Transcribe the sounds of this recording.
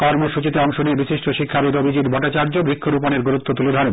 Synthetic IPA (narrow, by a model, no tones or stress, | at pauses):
kɔɾmoʃut͡ɕit̪eɔŋʃonebiʃiʃʈoʃikʰːaɾud̪obʱid͡ʑid̪bʱɔʈːat͡ɕaɾd͡ʑobɾikʰːoɾuponeɾɡuɾut̪ːot̪uled̪ʱanu